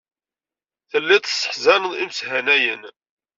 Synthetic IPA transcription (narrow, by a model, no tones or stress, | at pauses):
θəlːæt̪sˤːə̥ħzænəðˤimshænæjən